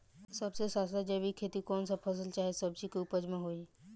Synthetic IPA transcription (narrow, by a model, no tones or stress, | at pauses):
sɐbsesaːst̪d͡ʒəbʱikʰeːt̪ikɔːnsapʰɐs̬əlt͡ʃaːɦesɐbsikupəd͡ʒmẽɦoːi